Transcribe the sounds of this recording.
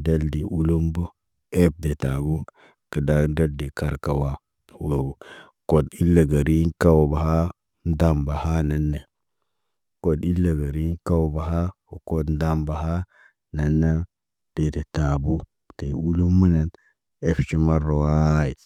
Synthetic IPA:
da˦ldi˨ʔu˦lu˦mbo˦ | e˦p̚de˨ta˨bu˦ | kə˨da˦da˦ldi˨ka˨ɾka˨wa˦ | wo˨ | ko˨di˦lːa˨ɡa˨ɾi˦ŋka˦wba˨ha˦ | n˦da˦mba˨ha˦na˨nːe˨ | ko˨di˦lːa˨ɡa˨ɾi˦ka˦wba˨ɦa˦wo˨ko˦dn˦da˦mba˨ɦa˦ | na˨nːa˦ | d̥e˨de˨ta˨bu˦ | te˨u˦lu˦mbu˦ne˨n | e˦ft͡ʃi˦ma˦ro˨wa˦i˨

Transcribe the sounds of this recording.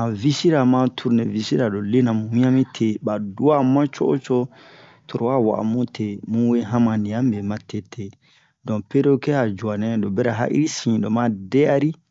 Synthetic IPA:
a˨vi˦si˦ɾa˨mã˦tʰu˦ɾnɛ˨vi˨si˦ɾa˨do˨le˦nã˨mũ˨mĩ˦a˦mĩ˦tʰe˨ba˨du˦a˦mã˦t͡ʃo˦o̰˦t͡ʃo˦ | tʰo˨ɾo˨wa˦wa̰˨ʔa̰˨mũ˦tʰe˨mũ˦we˦ɦã˦mã˨nĩ˨ã˦m˦be˨mã˨tʰe˦tʰe˨ | dɔ̃˨pe˦ɾo˦kɛ˦a˨d͡ʒu˨a˨nɛ̃˦do˨bɛ˦ɾa˨ɦa̰˦ʔḭ˦ɾi˦sĩ˨do˨mã˦dɛ˦a˦ɾi˦

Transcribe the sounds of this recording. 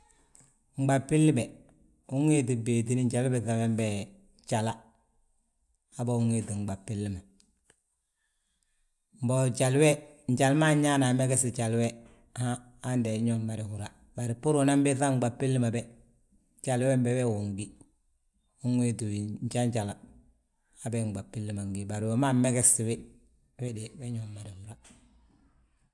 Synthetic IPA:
ŋ͡m̩˨ɡ͡ba˨pɪ˦lːi˦bɛ˨ | u˦ŋwe˦di˨beː˨di˦ni˦ɲ˦d͡ʒa˨lbɛ˨θa˨wɛ˦m˦bɛ˦˨ | t͡ʃa˨la˦ | a˦bɔ˦u˦ŋwe˦di˨ŋ͡m̩˨ɡ͡ba˨pɪ˦lːi˦ma˨ | m̩˨bɔ˨d͡ʒa˨lwɛ˦n̩˨d͡ʒa˨lma˦ɲ˦ɲa˦na˨mɛ˦ɡɛ˦sɪ˨d͡ʒa˨lwɛ˦˨ | haː˦ | ndɛ˨˦ɲɔ˦mːa˨ɾi˨hu˨ɾa˦ | ba˨ɾɪ˨pu˦ɾu˨na˦mbe˦θa˦ŋ˦ɡ͡ba˨pːi˦lːi˦ma˨bɛ˦ | d͡ʒa˨lwɛ˦m˦bɛ˦wɛ˦˨wu˨ŋ˨ɡi˦ | u˦ŋwe˦du˨wi˨n˦d͡ʒa˦ɲ˦d͡ʒa˨la˨ | a˦bɛ˦˨ŋ͡mɡ͡ba˨pːi˦lːi˦ma˨ŋ˨ɡi˦ba˨ɾɪ˨wo˨˦ma˦mɛ˦ɡɛ˦si˨wɪ˦ | wɛ˦de˨wɛ˦ɲɔ˨˦mːa˨ɾi˨hu˨ɾa˦

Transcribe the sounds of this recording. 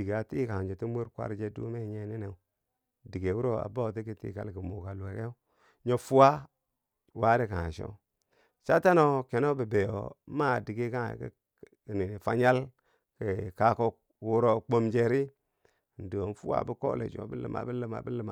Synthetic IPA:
i˨ɡa˨ti˦ka˨d͡ʒe˨ti˦mu˦ɾkʷa̰˦ɾd͡ʒe˦dṵ˦me˦˨ɲe˦ni˦ne˨˦ | di˨ɡe˨wu˦ɾo˦a̰˨bo˦˨ti˦ki˦tḭ˦ka̰˨lɡi˨mo˨ɡa˨le˨ke˦ | ɲo˦fu˦wa˦ | wa˦ɾi˦ka˨a̰˨ʃo̰˦ | t͡ʃa˦ta˦no˦ke˨no˦bə˨be˨jo˨˦ma˦˨di˨ɡe˦ka̰˦˨kə̰˦˨ | ni˨ni˨fa˦ɲa˦l | kə˨ka˦ko˦ | wu˦ɾo˦k͡po˦md͡ʒe˦ɾi˦˨ | n̩˨di˨o˨n˦fṵ˦wa̰˨bi˦ko̰˦lḛ˨d͡ʒo̰˨bə˦lə̰˨ma̰˨bi˦lə˦ma̰˨bi˦lə˦ma˨

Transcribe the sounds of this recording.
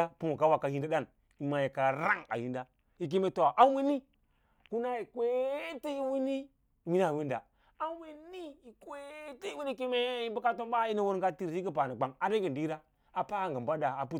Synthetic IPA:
a˦pu˦mo˨ka˦wa˨kːa˨hi˦nda˦da˦˨n | i˨ma˨ji˨ka˨ɾa˦ŋa̰˨hi˦nda˦ | i˨k̬i˦me˦to˨a˨ʔa˦wi˦ni˦ | ku˦na˦i˨kwe˦ti˦i˦wi˦ni˦˨ | wi˦n˦a˨wi˦nda̰˨ | a˦wi˦ni˦i˨kwe˦ti˦i˦wi˦ni˦ki˦me˦i˦bu˦ka˦to˦mba˦i˦ni˦wo˦ɾŋɡa˦ti˦ɾsi˦ɡi˦pa˨na˨ɡ͡ba˨ŋa˨de˦ɡi˨ndi˦ɾa˦ | a˨pa˦˨ŋɡa˨mbʷa˦da˨a˨pu˦˨

